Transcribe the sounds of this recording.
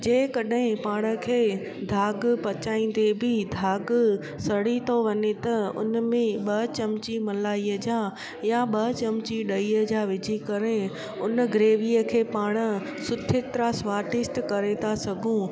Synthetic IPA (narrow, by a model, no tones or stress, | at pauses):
d͡ʑeːkɐɗɦɪ̃paːɽ̃ə̆kʰeː | d̪ʱaːɡpɐt͡ɕaːĩːn̆d̪ebʱɪd̪ʱaːɡ | sɐɽit̪ʰoʋɐɲet̪ɐʊ̰nmẽɓɐt͡ɕɐmt͡ɕimɐlaːiəd͡ʑaː | jaɓɐt͡ɕɐmt͡ɕiɗɐiəd͡ʑaʋɪd͡ʑʱikɐɾe | ʊnɡɾeːʋiːəkʰeːpaːɽ̃ə̆ | sʊt̪ʰɪt̪ɾasʋaːɾʈɪsʈkɐɾet̪ʰasɐɡʱũ